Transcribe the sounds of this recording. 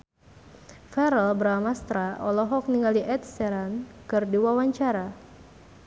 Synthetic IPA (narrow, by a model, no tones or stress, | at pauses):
fɛɾɛlbəɾalmast̪ɾaʔɔlɔɦɔk̚niŋaliʔɛt̪̚sɛɾankɨrdiwawaɲt͡ʃaɾa